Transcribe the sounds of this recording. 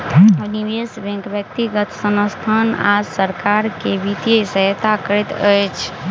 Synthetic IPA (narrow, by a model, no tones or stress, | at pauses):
əniʋesbɛ̃ŋkbjəkt̪iɡət̪sənəst̪ʰanasəɾkaɾkebit̪esəɦt̪akəɾɛt̪əjt͡ʃʰ